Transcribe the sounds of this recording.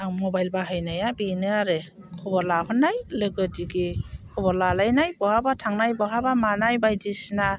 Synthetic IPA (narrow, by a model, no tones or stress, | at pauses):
aŋmɔbajlbaɦɯjnajabinɯaɾɯ | kʰɔbɔɾlahɔnːajlɯɡɯdiɡikʰɔbɔɾlalajnajbɔɦabatʰaŋnajbɔɦabamanajbajdisna